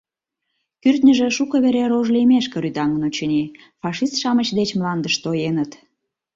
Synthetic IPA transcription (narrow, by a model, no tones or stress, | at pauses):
kyrt̪nʲə̆ʒĕʃukəβeɾeɾoʒlemeʃkə̆ɾyt̪ɑŋənot͡ɕəni | fɑʃist̪ʃɑmət͡ɕd̪et͡ɕmlɑnd̪əʃt̪ojenət̪